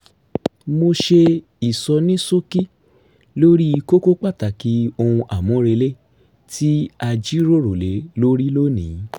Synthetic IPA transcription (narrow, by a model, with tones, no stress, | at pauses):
mo˧ʃe˧ | i˨sɔ˧nĩ˦so˦ki˦ | lo˦ɾi˦˧ko˦ko˦k͡pa˦˨ta˨ki˨˦o˧hũ˧ʔa˨mɔ̃˨˦ɾe˧le˦ | tʰi˦a˧d͡ʒi˦ɾo˦˨ɾo˨le˨˦lo˦ɾi˦lo˦nĩ˨˦